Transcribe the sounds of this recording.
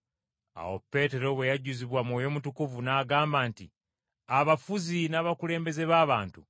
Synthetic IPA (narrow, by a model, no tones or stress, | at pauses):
a̰wo̞̰pːe̞te̞ɾo̞βwe̞jaɟuziβwamwoːjo̞ːmutukuvunaːɡaːmbaːntḭ | aβafuzinaːβakule̞ːmbe̞ze̞βaːβaːntu